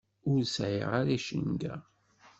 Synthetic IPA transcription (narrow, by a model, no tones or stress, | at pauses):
ʊɾsʕḭʁaɾæʃənɡæ̰